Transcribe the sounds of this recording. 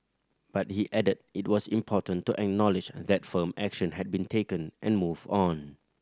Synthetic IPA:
b̥at̚hiʔɛdəd̚ɪt̚wɔsĩmpʰɔtə̃ntːuʔɛk̚nɔlɪd͡ʒðɛtfəmɛkʃə̃nhɛd̚bĩntʰekə̃nʔɛ̃nmuvdɔ̃n

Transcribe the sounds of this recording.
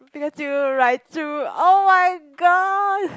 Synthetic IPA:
b̥ikɔsjuɹaɪtʰːuoʊmaɪɡɔd̚

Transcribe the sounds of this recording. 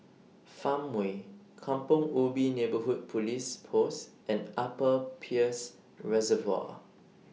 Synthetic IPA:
fãmwe | kʰãmpɔ̃ŋubinebəɦud̚pʰulispʰos | ɛ̃napəpʰiəs | ɹɛzəva̰

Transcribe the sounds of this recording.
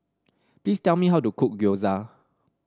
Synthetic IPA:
plistɛlˠmiɦaʊwtukʰuk̚ɡoza

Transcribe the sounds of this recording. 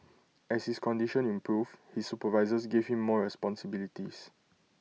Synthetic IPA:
ɛshiskɔ̃ndiʃɔ̃nĩmpɹuvhisːupəvaɪzəsɡevhĩmːɔɹɛspɔ̃nsibilitis

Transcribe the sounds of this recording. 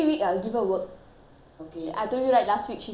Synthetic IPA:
iwikajlɡivə̃wək̚ | okea̰jtojuɹaɪt̚lastwik̚ʃi

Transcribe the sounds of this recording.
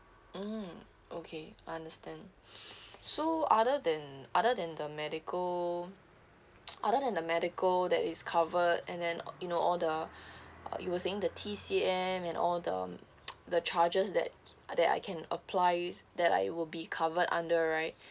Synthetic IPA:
m̩ | okʰeaɪãndəstɛ̃n | soadədɛ̃nʔadədɛ̃ndəmɛɾɪkʰəl | ʔadədɛ̃ndəmɛɾikʰəldɛtɪskʰavətɛ̃ndɛ̃njunoɔldə | ʌ̰juwəseɪ̃ŋdətʰisiɛ̃mɛ̃nʔɔldə̰ | dət͡ʃʰad͡ʒəsdɛ̰t̚dɛta̰ɪjkʰɛ̃nə̰pʰlaɪdɛta̰ɪwɪlbikʰavədã̰ndəɹaɪt̚

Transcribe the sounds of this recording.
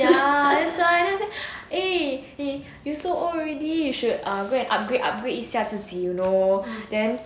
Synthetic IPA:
jadɛsaajd͡ʒɛseʔee | jusoʔɔɹɛdijuʃudãɡoɛ̃nʔa̰p̚ɡɹeʔa̰p̚ɡɹeʔisiatutʰijunodɛ̃n

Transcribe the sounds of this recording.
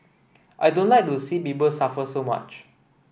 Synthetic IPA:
ʔajdõnlajk̚dosipipəlsafəsoma̰t͡ʃ

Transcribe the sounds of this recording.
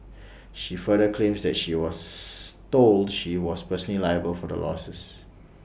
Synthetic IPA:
ʃifədəkʰlẽmsdɛt̚ʃiwɔstoldʃiwɔspəsənlilajəbəlfɔdə̰lʔɔ̰səs

